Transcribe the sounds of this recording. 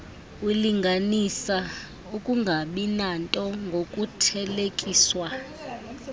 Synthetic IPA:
wiliŋɡʱanisa | ukʼuŋɡʱaɓinantʼɔŋɡʱokʼutʰɛlekʼiːswa

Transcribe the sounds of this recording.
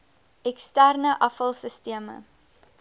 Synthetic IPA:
ɛkstærnəʔɐfɐlˠsəstiəmə̰

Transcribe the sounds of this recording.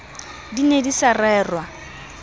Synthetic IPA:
dinedisarɛːrwa

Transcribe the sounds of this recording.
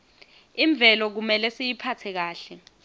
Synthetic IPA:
iɱb̪vʱɛlɔk̬umɛlɛsejipʰatʰɛk̬aːɬɛ

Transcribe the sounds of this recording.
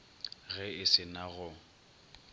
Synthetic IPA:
ɣɛɪsɪnaɣʊ

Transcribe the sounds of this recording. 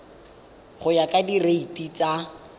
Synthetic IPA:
χʊjakʼadireitʼit͡sa

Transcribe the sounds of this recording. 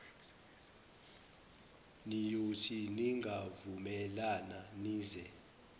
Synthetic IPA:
nijotʰiniŋɡʱavumɛlananiːzɛ

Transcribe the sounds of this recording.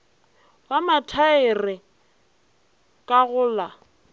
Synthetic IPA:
wamatʰaɪrɪ | kʼaɣʊːla

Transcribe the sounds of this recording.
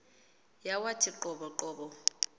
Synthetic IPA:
jawatʰiǃɔɓɔǃɔːɓɔ

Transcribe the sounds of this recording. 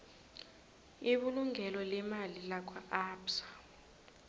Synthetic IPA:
iɓuluŋʱɛlɔlɛmalilakʰaaːpsḁ

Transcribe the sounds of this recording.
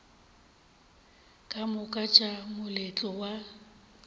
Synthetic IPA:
kʼamʊkʼat͡ʃʼamʊlet͡ɬʼɔwa

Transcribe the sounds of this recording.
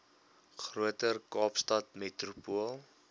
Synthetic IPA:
χruətərkɑːpstɐtmetrupuəlˠ

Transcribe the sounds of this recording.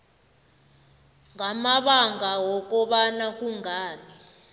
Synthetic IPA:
ŋʱamaɓaŋɡʱawɔk̬ʼɔɓanakuŋʱaːɓi

